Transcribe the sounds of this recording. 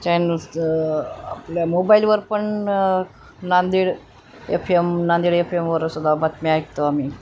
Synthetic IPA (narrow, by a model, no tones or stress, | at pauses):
t͡ɕajns | a̰pljamobailʋəɾpəɳ | nãnd̪iːɽ | ḛpʰemnand̪iɽefʰemʋəɾsud̪abat̪miajk̚t̪oamiː